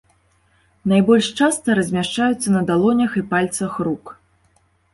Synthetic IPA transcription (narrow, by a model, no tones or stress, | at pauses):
najbɔlʲʂt͡ʂast̪ɐɾɐzʲmʲaʂt͡ʂajut̪sːɐnɐd̪alˠɔnʲɐxipalʲt̪sɐxruk